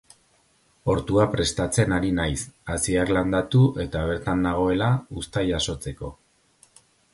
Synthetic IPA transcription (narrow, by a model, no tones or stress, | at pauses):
o̞ɾt̪uapɾe̞st̪at͡se̞naɾinajsasiakland̪at̪uʔe̞t̪aβ̞e̞ɾt̪anːaɣ̞o̞e̞laust̪ajaso̞t͡se̞ko̞